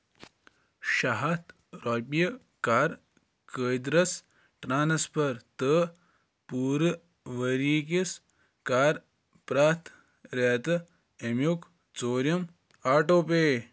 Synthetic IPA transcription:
ʃɐɦɐt̪ʰ | ɾɐːpijɐ | kaːɾ | kəːjd̪ɾɐs | ʈɾaːnspʰɐɾt̪ə | puːɾ | ʋəɾiːk̬is | kaːɾ | pɾaːt̪ʰ | ɾet̪ɨ | emjuk | t͡soːɾjɐm | aːʈoːp̬eː

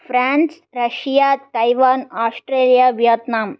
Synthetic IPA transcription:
fɾaːns | ɾɐʂijaːt̪ɐjʋaːnaːsʈɾeːlijaːʋjɐt̪naːm

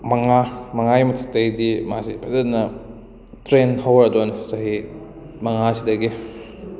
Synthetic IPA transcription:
mɐŋamɐŋajmɐtʰɐk̚tɐjdima̰sḭpʰɐzɐtnɐ | tɾenɦɐwɾɐduanɐsɐɦi | mɐŋasidɐɡi

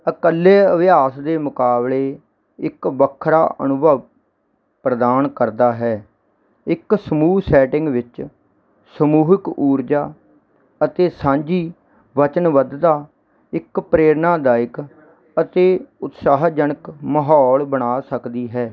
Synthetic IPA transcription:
əkəlːeːəʋɪjaːsd̪eːmʊkaːbleː | ɪkʋəkʰːɾa̰ːʔə̰nʊbəʋ | pɾəd̪aːnkəɾd̪aːɦɛː | ɪksəmuːsɛːʈɪŋɡʋɪt͡ʃ | səmuːɦɪkuːɾd͡ʒaː | ət̪eːsãːɲd͡ʒiː | ʋət͡ʃənʋəd̪d̪aː | ɪkpɾeːɾnaːd̪aːɪk | ət̪eːʊt̪saːɦd͡ʒənəkməɦɔːlbəɽaːsəkd̪iːɦɛː

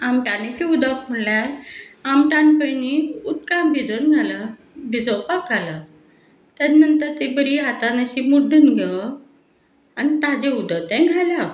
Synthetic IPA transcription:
amʈanet͡ɕiud̪akm̤əɳljaɾamʈanpəniut̪kambʱid͡zənɡʱalə | bʱid͡zopakɡalə | t̪janənt̪əɾt̪ebəɾiɦat̪anəɕimud̪ʱənɡʱɛ | anit̪ad͡ʑeud̪ət̪ɛ̃ɡʱalja

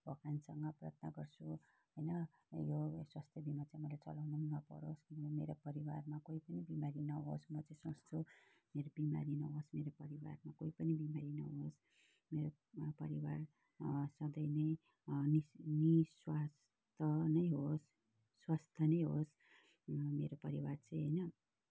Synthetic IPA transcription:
bʱʌkansʌŋɡʌprʌ̰t̪̚nʌɡʌrt͡sʰu | ɦojnʌ | joswast̪ʰjʌbʱimat͡saĩmʌlajt͡sʌ̰lawnunʌpʌ̰ɾoskinomeɾopʌɾiwarmakoipʌnibimaɾinʌɦosmʌt͡saĩsʌstʰu | meɾobima̰ɾinʌɦosmeɾopʌɾiwa̰rmakoipʌnibimaɾinʌ̰ɦos | meɾo | pʌɾiwar | sʌd̪ʌjnʌj | niniswas | t̪ʰʌnʌjɦosː | wast̪ʰʌnʌjɦos | meɾopʌɾiwart͡saj̃ɦʌjnʌ

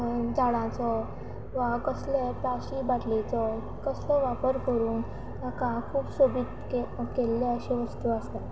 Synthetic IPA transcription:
d͡ʑaɽãt͡sɔ | ʋakəsleplaɕiːbaʈlet͡sɔ | kəslɔʋapəɾkəɾuːn | akãkʰuːpsobit̪kekelːeəɕeʋəst̪uast̪at̪

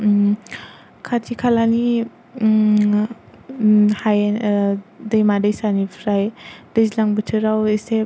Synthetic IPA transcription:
kʰatʰikʰalani | haj | dəjmadəjsanipʰɾajd̥əzlaŋbɯtʰɯɾawese

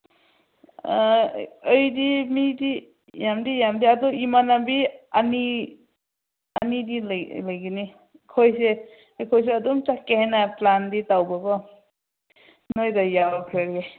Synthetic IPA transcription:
əjdimidi | jamdijamdiadɔimanabiani | anidillajɡini | kʰɔjse | jkʰɔjs̬eɔdɔmt͡ʃakːehenaplanditawbaɡɔ | nojdɔjabakʰɾaɾɡe

